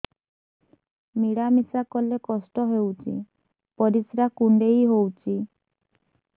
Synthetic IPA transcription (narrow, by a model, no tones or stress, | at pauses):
miɽamisakɔlekɔsʈɔɦewt͡ʃʰḭ | pɔɾisɾakuɳɖejɦowt͡ʃʰi